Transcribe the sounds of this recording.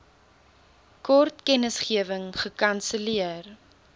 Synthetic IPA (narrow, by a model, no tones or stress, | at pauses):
kɔrtkɛnəsχiəvəŋχəkɐnsəliər